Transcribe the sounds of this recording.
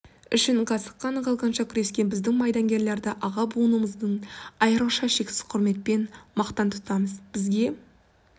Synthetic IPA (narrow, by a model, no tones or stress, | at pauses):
ʏ̰ʃɪɴqʰɑsə̥qːɑnqɑlˠʁɑnʃɑkʲʰʏɾe̞skʲe̞nbɪzd̪ɪŋmɑjd̪ɑŋɡʲe̞ɾle̞ɾd̪ɪʔɑʁɑbuənuməzd̪əɴɑjəɾəlˠʃɑʃe̞kʲsɪ̥zqʰʊɾme̞t̪̚pe̞nmɑqt̪ɑnt̪ʰʊ̥t̪ɑməzb̥ɪzɡʲe̞